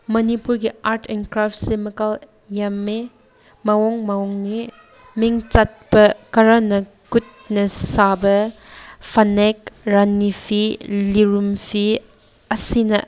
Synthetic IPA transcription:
mɐnipuɾɡiaɾtʰenkɾaft̚semɐkal | jame | mɐwɔŋmɐwɔŋni | miŋt͡ʃat̚bɐkɐɾanɐ | kut̚nɐsabɐ | pʰɐnek̚ɾanːipʰiliɾumpʰi | ɐsinɐ̰

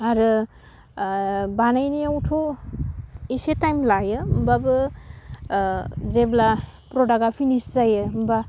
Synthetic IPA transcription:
aɾɯ | banajniawtʰo | isetajmlajɯmbabɯ | zebla | pɾɔdaɡapʰiniszajɯmba

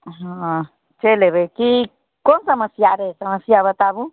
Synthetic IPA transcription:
aɦã | t͡ʃeleβeki | konsamasjaɾesamasjaβat̪aβu

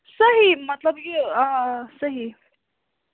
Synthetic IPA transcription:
sɐɦimɐt̪ləb̚kiãsɐɦi

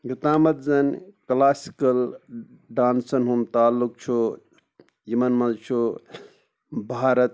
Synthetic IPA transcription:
ɡit̪aːmɐt̪zɐnklaːsi̥kɐl | ɖaːnsɐnɦumt̪aːlːuk̚t͡ʃʰu | jɐmɐnmɐzt͡ʃʰu | bʱaːɾɐt̪̚

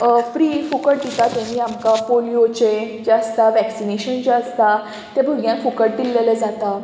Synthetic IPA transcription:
fɾifukəʈ̚d̪it̪at̪jãniːamkapolijot͡ɕed͡ʑaəst̪aʋɛksineɕənt͡ɕeəst̪a | t̪jabʱəɡʱjãnfukəɽ̚ʈ̪ilːeləd͡zat̪a

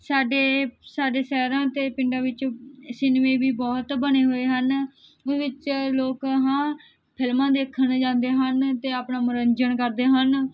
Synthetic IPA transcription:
saːɖeːsaːɖeːsɛːɾãːt̪eːpɪɳɖãːʋɪt͡ʃsɪnʋẽːbiːbɔːt̪bəneːɦoːeːɦən | ʋɪt͡ʃloːkɦãː | pʰɪlmãːd̪eːkʰːənd͡ʒãːnd̪eːɦənt̪eːaːpnaːmʊɾəɲd͡ʒənkəɾd̪eːɦən

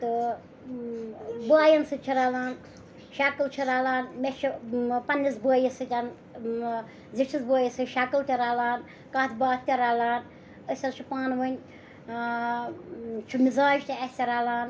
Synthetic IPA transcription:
t̪ɨ | bɨaːjɐnsɨt͡ʃʰiɾaːlaːn | ʃaːkɨlt͡ʃʰiɾaːlaːnmʲet͡ʃʰipɐnːisbəːjisɨt̪ʲɐn | ziʈʰisbəːjisɨʃaːkɨlt̪ʲɐɾaːlaːn | kaːt̪ʰbaːt̪t̪ʲɐɾaːlaːn | əsʲɐnt͡ʃʰupaːnʋɐnʲ | t͡ʃʰumizaːʒt̪iɐsʲt̪ʲɐɾaːlaːn

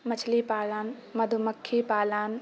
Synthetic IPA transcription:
mɐt͡ʃʰlipaːlaːnmɐd̪ʱumɐkʰːipaːlaːn

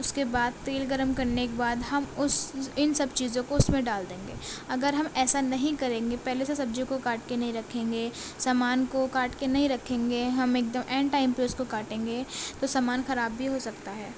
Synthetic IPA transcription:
ʊskebaːd̪̚t̪eːlɡəɾəmkɐɾnekebaːd̪ɦɐmʊsɪnsɐbt͡ʃiːzõkoʊsmẽɖaːld̪ẽːŋɡḛːɐɡəɾɦɐmɛːsanɐɦĩkɐɾẽːŋɡepɛɦlesesɐb̚d͡ʒõkokaːʈkenɐɦĩɾɐkʰẽːŋɡeːsaːmaːnkokaːʈkenɐɦĩɾɐkʰẽːŋɡeɦɐmeːk̚d̪əmʔɛːɳʈaːɪmpeːskokaːʈẽːŋɡeːt̪osaːmaːnxɐɾaːbːʱiɦosɐkt̪aɦɛː

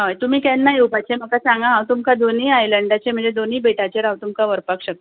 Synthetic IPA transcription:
ɦajt̪um̤iːkɛnːaɦjewpajt͡ɕʰem̤əkasãŋɡaɦãwt̪umkad̪oniːajləɳɖat͡ɕem̤əɳd͡zed̪oniːbeʈat͡ɕeɾɦãwt̪umkaʋəɾpakɕək̪

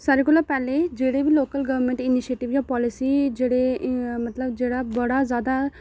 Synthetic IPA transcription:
saɾekulapɛːled͡ʒeːɽebʱiloːkəlɡəʋmẽɳʈɪniʃeːʈiʋjapɔːlisid͡ʒeːɽemɐt̪ləbd͡ʒeːɽabɐɽazaːd̪a

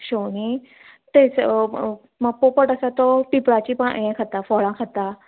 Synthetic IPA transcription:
ɕoni | t̪et͡s | mapopəʈəsat̪ɔʈipɽat͡ɕipəɳ̰jẽkʰət̪afɔɭãkʰət̪a

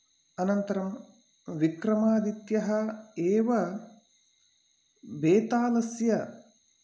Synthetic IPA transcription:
ɐnɐnt̪ɐɾɐm | ʋikɾɐmaːd̪it̪jɐɦɐeːʋɐ | ʋeːt̪aːlɐsjɐ

